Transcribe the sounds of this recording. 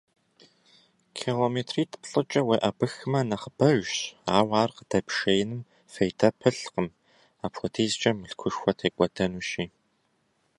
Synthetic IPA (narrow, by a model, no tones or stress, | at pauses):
kʰiloːmeːtʰriːtʰɨ̥pɬʼɨt͡ʃʼɐweːʔɐbɨxɨmɐnɐχəbɐʒaːwaːrqədɐpʂejɪnɨm | fejtʰɐpʰɨɬqəm | aːpxʰʷɔtʰeːzt͡ʃʼɐmɨɬkʷʰʊʂxʷɔtʰeːkʷʼɔdʰɐnuːʃiː